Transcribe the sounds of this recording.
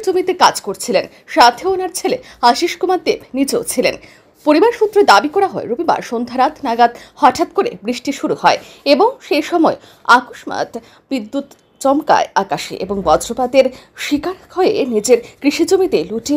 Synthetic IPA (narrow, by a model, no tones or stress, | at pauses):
d͡ʑomit̪ekad͡ʑkoɾt͡ɕʰilen | ʃat̪ʰeonaɾt͡ɕʰele | aʃiʃkumaɾd̪ebnid͡ʑeo̰t͡ɕʰilen | poɾibaɾʃut̪ːɾed̪abikɔɾaɦɔeɾubiba̰ɾʃond̪ʱaɾat̪naɡad̪hɔʈʰat̪koɾḛbɾiʃʈiʃuɾuhɔeeboŋʃejʃɔmɔe | akoʃma̰t̪ | bid̪ːut̪ | t͡ɕɔmka̰eakaʃḭʔeboŋbɔd͡ʑɾopad̪eɾʃikaɾkʰɔeḛnid͡ʑeɾkɾiʃid͡ʑomit̪eluʈi